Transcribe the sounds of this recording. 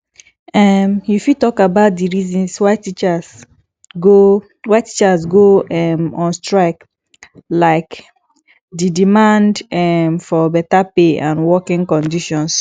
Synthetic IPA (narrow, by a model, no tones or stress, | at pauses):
ɛmjufitɔkabaʊt̚diɹizɔ̃nswaɪtit͡ʃas | ɡo | waɪtit͡ʃasɡoɛmɔ̃nstɹaɪk | laɪk | didimãndɛmfɔbɛtapeãnwɔkɪ̃ŋkɔ̃ndiʃɔ̃ns